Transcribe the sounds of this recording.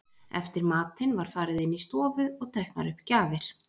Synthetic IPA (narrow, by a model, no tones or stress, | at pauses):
ɛ̰ft̪ɪɾmaːt̪ɪnvaɾ̥faːɾɪðɪnːist̪ɔːvʏɔɣt̪ʰɛjhkna̰ɾʏhpːcaːvɪɾ̥